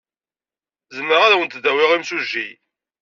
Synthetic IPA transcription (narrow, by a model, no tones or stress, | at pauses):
zəmːəʁaɾawənt̪d̪æwɪʁimsuʒːij